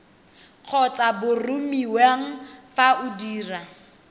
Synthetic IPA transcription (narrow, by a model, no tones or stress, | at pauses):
q͡χʰɔt͡sabʊrʊmiweŋ̩faʔʊdiːra